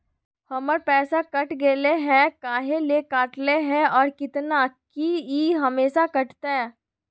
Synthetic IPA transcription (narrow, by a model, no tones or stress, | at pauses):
hɐməɾpɛːsakɐʈɡeːleɦɛ̃kaːɦelekaːʈleɦɛ̃ɔːɾkɪt̪nakiiːɦɐmeːʃakɐʈt̪eɦɛ̃ː